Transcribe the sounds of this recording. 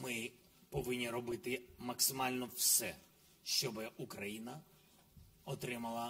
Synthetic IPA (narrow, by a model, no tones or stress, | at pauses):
mɪ | pɔʋɪnʲːiɾɔbɪt̪ɪmɐksɪmɑlʲnɔwsɛ | ʃt͡ʃɔbɪʔukɾɐjinɐ | ɔt̪ɾɪmɐlˠɐ